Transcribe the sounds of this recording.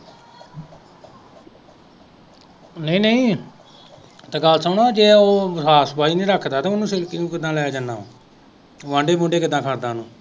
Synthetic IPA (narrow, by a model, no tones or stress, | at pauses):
nəĩːnəĩː | t̪aːɡəlsaːnaːd͡ʒeːoːsaːsbaːiːnĩːɾəkʰd̪aːt̪aːmʊnũːsɪlkiũːkɪd̪ãːlɛːaːd͡ʒanːaːoː | ʋãːɳɖeːmʊ̃ːɳɖeːkɪd̪ãːkʰəɾd̪ãːnũː